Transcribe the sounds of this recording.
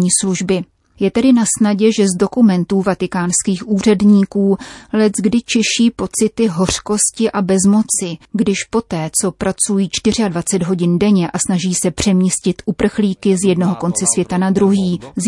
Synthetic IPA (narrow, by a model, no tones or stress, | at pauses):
ɲiːsluʒbɪ | jɛt̪ɛdɪnasnaɟɛʒɛzdo̞kumɛnt̪uːvat̪ɪkaːnskiːxʔuːr̝ɛdɲiːkuːlɛtɡdɪt͡ʃɛʃiːpo̞t͡sɪt̪ɪɦo̞r̝̥ko̞scɪʔabɛzmo̞t͡sɪɡdɪʃpo̞t̪ɛːt͡so̞pɾʔat͡sujiːt͡ʃt̪ɪr̝ɪadvat͡sɛd̪ɦo̞ɟɪndɛɲɛʔasnaʒiːsɛpr̝̥ɛmɲiscɪt̪ʔupr̩xliːkɪzjɛdnoɦo̞ko̞nt͡sɛsvjɛt̪anad̪ɾuɦiːz